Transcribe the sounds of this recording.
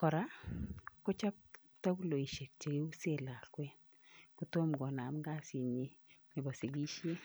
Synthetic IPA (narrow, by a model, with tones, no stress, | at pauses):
kɔ˨ɾa˦ | ko˦t͡ʃa˦p̚ | ta˦ku˦lo˨i˨ʃe˨k̚t͡ʃe˨ɡe˦u˦se˦˨la˨kwɛ˦n | ku˦to˦mɡɔ˨na˨mɡa˦si˨ni˨mɪ˨bɔ˨se˨ɡi˦ʃje˦